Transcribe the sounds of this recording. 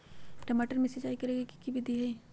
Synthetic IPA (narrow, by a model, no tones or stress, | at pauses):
ʈɐmaːʈəɾmẽsed͡ʒaːikɐɾeːɡiki̥kibid̪iɦɛː